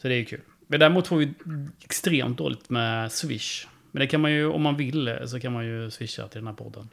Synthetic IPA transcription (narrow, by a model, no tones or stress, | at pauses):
sɔd̪ɛæɾjɵkʰʉ̟ːl | mɛnd̪æɾɪmuːt̪fɔːɾvɪɛkst̪ɾeːmt̪̚d̪o̰ːlɪt̪mɛsvɪʂ | mɛnd̪ɛkʰanmanjɵɔ̰mːanvɪlsɔkʰanmanjɵsvɪʂːa̰t̪ɪld̪ɛnhæɾpʰɔ̰d̪ːə̰n